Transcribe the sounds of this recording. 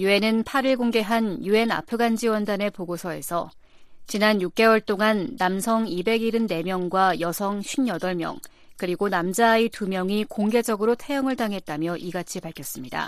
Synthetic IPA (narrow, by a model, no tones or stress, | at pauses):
jue̞nɯnpʰaɾiɭɡoŋɡe̞ɦanjue̞na̰pʰɯɡand͡ʑiwʌndane̞poɡosʰʌe̞̰sʰʌ | t͡ɕinanjuk̚k͈e̞wʌɭt͈oŋanːamsʰʌŋibe̞ɡiɾɯnːe̞mjʌŋɡwajʌsʰʌŋɕʰɥinjʌdʌɭmjʌ̰ŋ | kɯɾiɡonamd͡ʑaːitumjʌŋikoŋɡe̞d͡ʑʌɡɯɾotʰe̞jʌŋɯɭtaŋɦe̞t̚t͈amjʌʔiɡat͡ɕʰipaɭkʰjʌs͈ɯmɲida̰